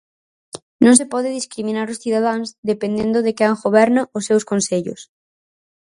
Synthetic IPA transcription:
nõŋsepɔðɪðiskɾimĩnaɾʊsθiðaðaŋzðepend̪end̪ʊðekɪaŋxoβɛɾnɐʊsːewskonseʎʊ̰s

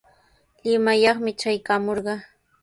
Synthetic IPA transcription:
lɪmajɑχmɪt͡ʃajkamoɾɢɑ

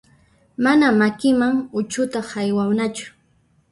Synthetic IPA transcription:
manamakɪmaŋʊt͡ʃʊt̪ɑχajwawnat͡ʃʊ̥

